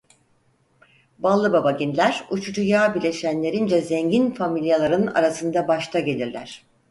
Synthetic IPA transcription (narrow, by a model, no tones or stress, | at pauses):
balˠːɯbabaɟinlʲæɾut͡ʃʰud͡ʒujaːbilʲe̞ʃænlʲe̞ɾind͡ʒɛzeɲɟinfamilʲijalˠaɾɯna̰ɾasɯnd̪abaʃt̪ʰaɟe̞lʲiɾlʲæ̰ɾ̝̥